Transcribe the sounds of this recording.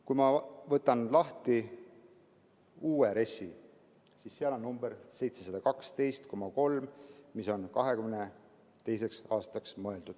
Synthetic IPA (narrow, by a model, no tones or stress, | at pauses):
kujmɑvɤt̪ːˑɑnlɑht̪i | uːeɾe̞sːi | siːssiɑlo̞nːumb̥eɾse̞jt̪se̞sɑd̪̥ɑkɑkst̪e̞jst̪ko̞mɑko̞lmmiso̞nkɑɦe̞kymne | t̪e̞js̬e̞ksɑːst̪ɑksmɤe̞ld̪ud̪̥